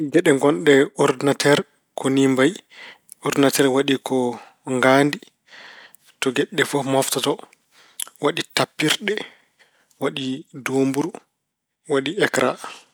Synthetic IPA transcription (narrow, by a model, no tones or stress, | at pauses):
ɡɛɗɛŋɡɔnɗɛɔɾdinatʰɛɾ | kɔnimbaj | ɔɾdinatɛɾwaɗikɔ | ŋɡaːndi | tɔɡɛɗːɛfɔfmɔftatɔ | waɗitapːiɾɗɛ | waɗidoːmbuɾ | waɗiɛkɾʔa